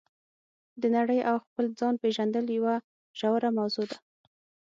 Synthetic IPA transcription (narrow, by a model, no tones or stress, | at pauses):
d̪ənaɽəjʔawxpəld͡zɑnpeʒand̪əljawa | ʒ̥awɾamawzod̪a